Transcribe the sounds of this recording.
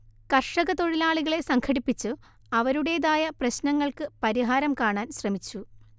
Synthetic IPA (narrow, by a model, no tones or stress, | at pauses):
kɐrʂɐɣɐt̪o̞ɻilaːɭiɣɐɭe̞sɐŋkʰɐɽipːit͡ɕːɨ | ɐʋɐɾuɽe̞ːðaːjɐprɐɕnɐŋːɐɭkɨpɐɾiɦaːɾɐmkaːɳaːnɕrɐmit͡ɕːu